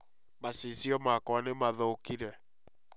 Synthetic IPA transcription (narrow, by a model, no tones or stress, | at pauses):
masisiɔmakɔanemaðɔkiɾɛ